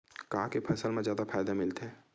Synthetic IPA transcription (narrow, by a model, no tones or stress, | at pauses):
kaːkepʰɐsəlmẽzjaːd̪afaːjd̪amɪlt̪ɦɛː